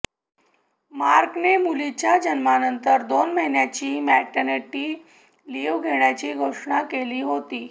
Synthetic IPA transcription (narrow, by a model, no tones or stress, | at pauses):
ma̰ɾknemulit͡ɕjad͡ʑənmanənt̪əɾd̪onməɦinjat͡ɕiːmæʈəneʈːiː | liʋɡʱeɳjat͡ɕiːɡʱoʂɳakeliːɦot̪iː